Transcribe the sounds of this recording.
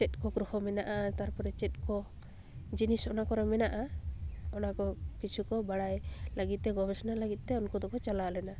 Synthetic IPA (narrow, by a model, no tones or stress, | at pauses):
t͡ʃɛt̪̚kɔkɾuhɔmɛnaʔat̪aɾpɔɾɛt͡ʃɛt̪̚kɔ | d͡ʒinisɔnakɔɾɔmɛnaʔa | ɔnakɔkit͡ʃʰukɔbaɽajləɡit̪̚t̪ɛɡɔbɛsɔnaləɡit̪̚ˀt̪ɛɔnkɔd̪ɔkɔt͡ʃalalɛna